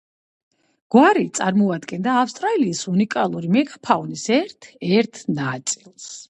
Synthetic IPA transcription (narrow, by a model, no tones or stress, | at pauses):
ɡ̥waɾit̪sʼaɾmɔad̪ɡɛnd̪aːfst̪ʼɾaliːsunikʼalˠuɾimɛɡapʰaunisɛɾt̪ʰɛɾt̪ʰnat̪sʼilˠs